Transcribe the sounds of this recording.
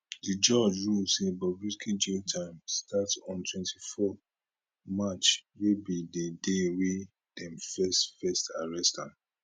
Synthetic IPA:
did͡ʒɔd͡ʒɹusibɔbɹiskʰid͡ʒetʰãɪ̃mstatɔ̃ntwɛ̃ntʰifɔ | mat͡ʃwebidedewe | d̥ɛ̃mfɛstfɛstʰaɹɛstãn

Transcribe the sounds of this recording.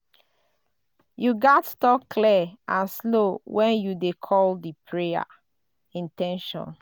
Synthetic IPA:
juɡɔttɔkːliʔãnslowɛ̃njudekʰɔldipʰɹea̰ | ĩntɛ̃nʃɔ̰̃n

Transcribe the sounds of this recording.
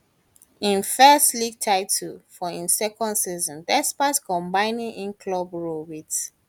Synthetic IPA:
ĩnfɛstliɡ̚tʰaɪtʰlfɔĩnsɛkɔ̃ndsizɔ̃ndɛspatkɔ̃mbãɪnĩŋʔĩnkʰlɔbɹobit

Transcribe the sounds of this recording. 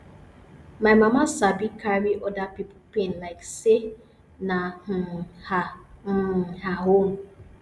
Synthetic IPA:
majmamasabikʰaɾiʔɔdapippẽnlaɪkse | nah̩ha | haɦon̩

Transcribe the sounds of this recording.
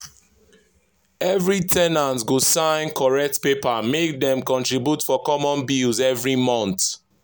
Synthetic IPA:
ɛvɹitʰɛnãntɡosãɪ̃nkʰɔɹɛk̚tpepamek̚dɛ̃mkɔ̃ntɹibjutfɔkɔmɔ̃nbilzɛvɹimɔ̃nt

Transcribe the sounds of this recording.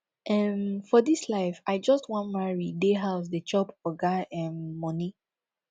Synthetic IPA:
ʔɛmfɔdislaɪfaɪd͡ʒɔstwɔ̃nmaɹideɦaʊs̬dət͡ʃɔpɔɡaɛ̃mːɔ̃ni

